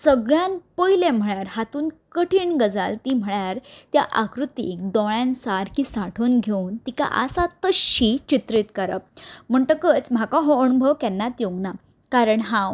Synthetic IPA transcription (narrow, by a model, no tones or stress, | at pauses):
səɡɭjanpəjlẽm̤əɭjaɾhat̪uːnkəʈʰiːɳɡəd͡za̰lt̪iːm̤əɭjaɾt̪jaʔakɾut̪ḭkd̪ɔɭjãnsaɾkisaʈʰuːnɡʱeunt̪ika̰ʔa̰sat̪əɕit͡ɕit̪ɾiːt̪kəɾə̰p̚m̤əɳʈ̪əkət͡sm̤akãɦɔənubʱəʋkɛnːat̪joɡna | kaɾəɳɦãw